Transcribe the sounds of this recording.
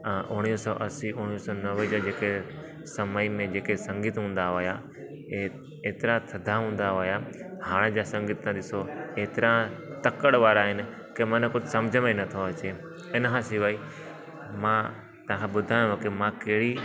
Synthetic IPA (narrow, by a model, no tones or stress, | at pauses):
ʔʊɽ̃isɔʔɐsiʔʊɽ̃ijsɔnɐʋəd͡ʑad͡ʑeːke | sɐməimẽd͡ʑeːkesɐ̃ŋɡɪt̪ɦũːn̆d̪aɦoːja | e | eːt̪ɪɾãt̪ʰɐd̪ʱaɦũːn̆d̪aoɦjahaːɽ̃d͡ʑasɐ̃ŋɡɪt̪ːãd̪ɪsoeːt̪ɪɾãt̪ɐkəɽ̃ʋaːɾaːɦɪnɪ̆ | kemɐnkʊd͡ʑʱɪsɐ̃md͡ʑʱəmẽnɐt̪ʰoɐt͡ɕe | ɪnɦãsɪʋaːi | mã | t̪ɐʋ̤ãːkʰãɓʊd̪ʱaːj̃jõkɪmãkɐɦɪɽi